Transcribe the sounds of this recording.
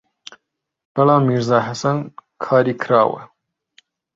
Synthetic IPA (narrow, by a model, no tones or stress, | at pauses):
b̥ɐlɑːmiɾzaːɦɐsɐnkʰɑːɾikʰɾɑːwɐ̰